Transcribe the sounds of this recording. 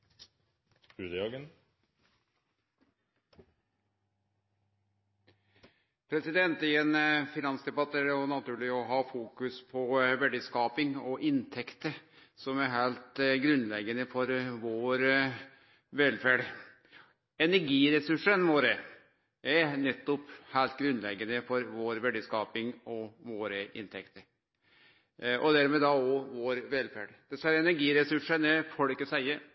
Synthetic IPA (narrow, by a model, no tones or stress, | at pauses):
ʉːd̪əjɑɡən | pʰɾɛsɪd̪ɛnt̪ɪɛnfɪnɑnsd̪ɛbɑt̪ːəæɖɛɔnɑt̪ʰʉːɭɪɔɦɑːfuːkʉspʰɔʋɛɖiskɑːpɪŋɔʔɪnt̪ʰɛkt̪əsɔmæɾɦæɪlt̪ɡɾʉnlɛɡənəfɔɾʋoːɾ | ʋɛlfæːɖ | ɛnæɾɡiːɾɛsʉʂənʋoːɾə | æɾnɛt̪ːɔphæɪlt̪̚ɡɾʉnlɛɡənəfɔɾʋoːɾʋɛɖəskɑːpɪŋɔʋoːɾəɪ̰nt̪ʰɛkt̪əɾ | ʔɔ̰d̪æɾmɛːd̪ɑɔʋoːɾʋɛlfæːɖd̪̥ɛsæɾɛnæɾɡiːɾɛsʉʂənɛfɔɽkəsæɪəɾ